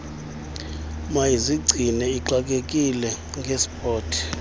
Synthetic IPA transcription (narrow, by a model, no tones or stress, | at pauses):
majiziɡ͡ǀʱinɛiǃak̬ʼekʼilɛ | ŋɡʱespʼɔːtʰi̥